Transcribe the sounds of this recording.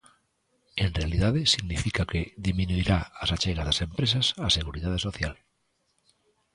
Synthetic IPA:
enrealiðaðesiɣnifikakeðiminuiɾaasat͡ʃeɣazðasempɾesasaseɣ̞uɾiðað̞esoθjal

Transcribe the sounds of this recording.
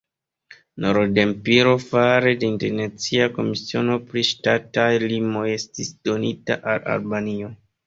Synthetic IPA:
noɾde̞mpiɾo̞faɾe̞deinte̞ɾnet͡siako̞misio̞no̞pɾiʃtatajlimo̞je̞stisd̥o̞nita̰ʔala̰lbanio̞

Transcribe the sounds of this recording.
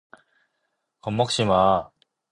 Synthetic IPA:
kʰõmːokɯ̟̥ɕima

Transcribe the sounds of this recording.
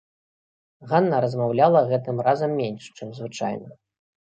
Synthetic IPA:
ɣanːɐɾɐzmawlʲalˠɐɣɛt̪ɨmrazɐmːʲenʲʂt͡ʂɨmzvɨt͡ʂajnɐ

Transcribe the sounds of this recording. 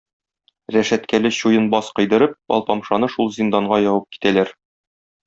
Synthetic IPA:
ɾæʃæt̪kælɘɕujɤnbɒsqɤ̆jd̪ɤ̆ɾɤp̚ɒ̰lˠpɒmʃɑnɤʃulˠzʲind̪ɑɴɢɑjɒwɤp̚ki̥t̪ælæɾ

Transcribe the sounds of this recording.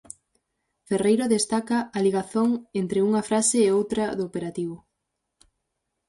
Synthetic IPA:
ferejɾoðest̪akɐːliɣaθoŋent̪ɾeuŋɐfɾasɪːowt̪ɾɐðoːpeɾat̪iβʊ

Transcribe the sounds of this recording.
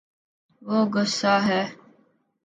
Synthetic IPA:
ʋoːɡʊsːaːɦɛː

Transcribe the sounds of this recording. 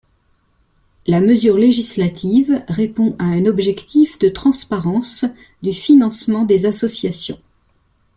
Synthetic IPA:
laməzyʁleʒislat̪ʰivʁepɔ̃ʔaɛ̃nɔbʒɛkt̪ʰifd̪ət̪χɑ̃spaʁɑ̃s | d̪yfinɑ̃smɑ̃d̪ezasɔsjasjɔ̰̃

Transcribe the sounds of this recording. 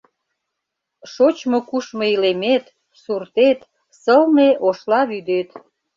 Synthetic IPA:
ʃot͡ɕmokuʃmoilemet̪ | surt̪et̪ | səlneʔoʃlɑβyd̪et̪

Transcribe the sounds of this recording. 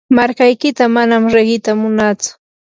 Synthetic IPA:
maɾkajkɪt̪amanamɾeɢɪt̪amʊnat͡sʊ̥

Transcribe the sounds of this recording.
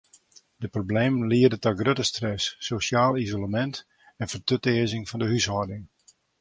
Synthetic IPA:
d̥əprobleːmənliərdətɔɡrøtəstrɛsːosjaːlˠizoləmɛnt | ɛnfərtøtɪəzɪŋfɔndəɦysɦɔdɪŋ

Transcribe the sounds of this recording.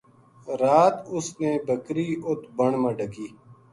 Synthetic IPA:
ɾaːt̪ʊsneːbʱəkɾiːʔʊt̪bəɳmə̃ːɖʱəɡiː

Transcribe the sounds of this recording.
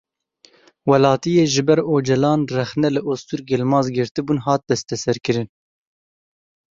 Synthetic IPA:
wɛlɑːt̪ijeːʒɨbɛɾoːd͡ʒɛlɑːnrɛxnɛlɨʔost̪uːɾɡelmɑːzɡɨɾt̪ɨbuːnɦɑːt̪̚d̪ɛst̪ɛsɛɾkɨɾɨn

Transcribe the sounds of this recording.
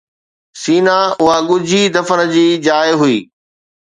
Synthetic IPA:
siːnaʊɦaɠʊd͡ʑʱid̪ɐfənəd͡ʑiːd͡ʑaːjɦʊḭː

